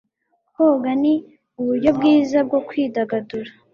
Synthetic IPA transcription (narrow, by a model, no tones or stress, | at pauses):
hoɡani | uβuɾɟo̞bɡiːzab̚ɡo̞kwiːdaɡaduɾa